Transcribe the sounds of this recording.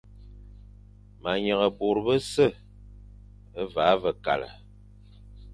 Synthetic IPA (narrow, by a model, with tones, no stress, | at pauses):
ma˨ɲə˨ɣə˨bo˨ɾbə˦sə˦˨ | ə˦va˨˦və˨ka̰˨lə̰˨